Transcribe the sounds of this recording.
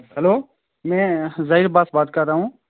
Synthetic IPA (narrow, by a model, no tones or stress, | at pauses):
həloː | mɛ̃ːzaːiːɾbaːsbaːt̪̚kəɾːaːɦũː